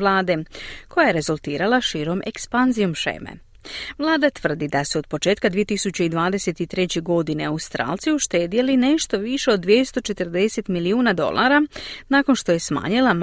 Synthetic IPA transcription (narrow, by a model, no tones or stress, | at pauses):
lˠaːd̪e̞ko̞jaje̞ɾe̞zulˠt̪iːɾalaʃiːɾo̞me̞kspanzijo̞mʃḛːmḛ | ʋlˠaːd̪at̪ʋr̩d̪id̪asuo̞d̪̚po̞t͡ʃe̞ːt̪kad̪ʋije̞t̪isut͡ɕeid̪ʋaːd̪e̞se̞t̪it̪ɾe̞t͡ɕeɡo̞d̪ine̞aust̪ɾa̰ːlˠt̪sijuʃt̪e̞ːd̪ijeline̞ʃt̪o̞ʋiʃe̞o̞d̪ːʋje̞st̪o̞t͡ʃe̞t̪r̩d̪e̞se̞t̪miliuːnad̪o̞̰lˠʔa̰ɾanako̞nʃt̪o̞je̞sma̰ːɲilˠam